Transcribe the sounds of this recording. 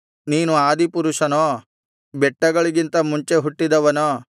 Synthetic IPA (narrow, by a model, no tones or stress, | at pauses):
niːnuaːd̪ipuɾuʂɐnoː | bɛʈːɐɡɐɭiɡint̪ɐmuɲt͡ʃe̞ɦuʈːid̪ɐʋɐnoː